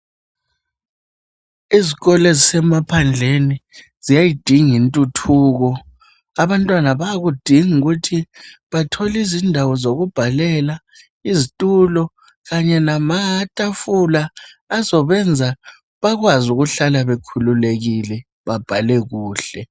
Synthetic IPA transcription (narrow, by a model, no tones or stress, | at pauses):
iziɣɔlezisɛmapʰand͡ɮʱeni | zijajid̥ʱiŋintʼutʰuːɣɔ | aβantʼwanaβaaɣud̥ʱiŋuɣutʰiβatʰɔlizindʱawɔzoɣub̥ʱalɛla | izitʼulɔ | ɣaɲɛnamaatʼafulaː | zɔβɛnd͡zʱa | βaɣwazuɣuɬalaβekʰululeɣilɛ | βab̥ʱalɛɣuːɬɛ